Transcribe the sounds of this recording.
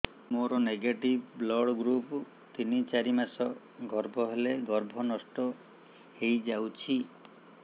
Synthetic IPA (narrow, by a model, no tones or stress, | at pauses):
moɾɔneɡeʈibblɔɽɡɾup | t̪init͡ʃaɾimasɔ | ɡʱɔɾbʱɔɦeleɡɔɾbʱɔnɔsʈɔ | hejd͡ʒawt͡ʃʰi